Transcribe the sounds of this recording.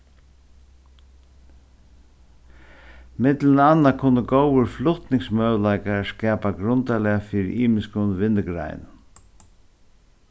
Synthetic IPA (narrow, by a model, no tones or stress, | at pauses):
mɪt̪lənanːakʰʊnːəɡowəɾflʊht̪nɪŋsmœːlaɪkaskɛːpaɡɾʊnt̪alɪafiːɾɪ̰ʔiːmɪskənʋɪnːəɡɾa̰ɪnn